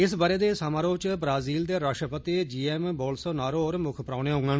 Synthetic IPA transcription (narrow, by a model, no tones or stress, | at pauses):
ɪsbaːɾeːd̪eːsaːmaːɾoːt͡ʃbɾaːziːld̪eːɾaːʃʈɾəpət̪id͡ʒiːɛːmbɔːlsoːnaːɾoːɔːɾmʊkʰpɾaːneːɦõːŋɡaːn